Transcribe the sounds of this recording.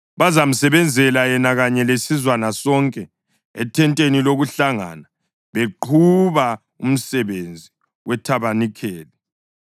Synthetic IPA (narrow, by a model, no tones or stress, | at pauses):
βazam̩sɛβɛnd͡zʱɛlajɛnaɣaɲɛlesizwanasɔŋkʼɛː | tʰɛntʼeniloɣuɬaŋa̰na | βeǃʰuβa | um̩sɛβend͡zʱi | wɛtʰaβanikʰeːli